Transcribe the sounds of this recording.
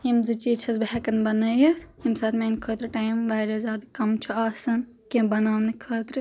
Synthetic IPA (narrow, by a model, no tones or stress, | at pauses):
jimzɨt͡ʃiːt͡ʃʰɐzbɦɛkɐnbɐnɐjɐshimsaːt̪ʰmeːnkʰoːt̪ɾɨʈaːjmʋaːɾɐzʲaːd̪ɨkɐmt͡ʃʰuaːsɐn | kibɐnaːnikʰɐːt̪ɾɨ